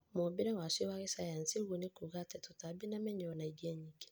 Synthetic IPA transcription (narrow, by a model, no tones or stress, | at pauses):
mubiɾɛwasiwaɣisajansiɣunikuɣatɛtutabinamɛɲɛɔnaiɡɛɲiki̥